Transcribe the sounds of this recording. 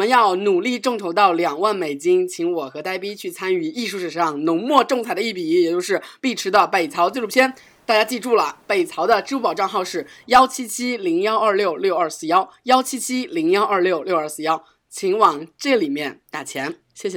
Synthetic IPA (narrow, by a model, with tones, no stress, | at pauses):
mə˦njɑ˥˩ʊnu˨˩li˥˧ʈ͡ʂɤ˥˩ŋʈ͡ʂʰo˧˥ʊt̪ɑ˥˩ʊljɑ˨˩ŋwa˥˩nme˨˩ɪt͡ɕi˥ŋt͡ɕʰi˧˥ŋwɔ˨˩xɤ˧˥t̪a˥ɪpi˥t͡ɕʰy˥˩t͡sʰa˥ny˨˩i˥˧ʂu˥˩ʂɻ̩˨˩˧ʂɑ˥˧˩ŋnʊ˧˥ŋmwɔ˥˧ʈ͡ʂŋt͡sʰa˥˩ɪd̪ə˧i˥˩pi˨˩˦jɛ˨˩t͡ɕjo˥˧ʊʂ̬ɻ̩˥˧˩pi˥˩ʈ͡ʂʰɻ̩˧˥d̪ə˧pe˨˩ɪt͡sʰɑ˧˥ʊt͡se˥˧ʈ͡ʂu˥˩pʰjɛ˥n | t̪a˥˩t͡ɕja˥t͡ɕi˥˧ʈ͡ʂu˥˩lə˩pe˨˩ɪt͡sʰɑ˧˥ʊd̪ə˧ʈ͡ʂɻ̩˥u˥p̬ɑ˨˩ʊʈ͡ʂɑ˥˧ŋxɑ˥˧ʊʂɻ̩˥˩jɑ˥ʊt͡ɕʰi˥t͡ɕʰi˥li˧˥ŋjɑ˥ʊɐ˞˥˧ljo˥˩˧ʊljo˥˧ʊɐ˞˥˧sɹ̩˥˩˧jɑ˥ʊjɑ˥ʊt͡ɕʰi˥t͡ɕʰi˥li˧˥ŋjɑ˥ʊɐ˞˥˧ljo˥˧ʊljo˥˧ʊə˞˥˧˩sɹ̩˥˧jɑ˥ʊ | t͡ɕʰi˧˥ŋwɑ˨˩ŋʈ͡ʂɤ˥˩li˨˩mjɛ˥˧nt̪a˥˩t͡ɕʰjɛ˧˥n | ɕjɛ˥˩ɕɛ˨˩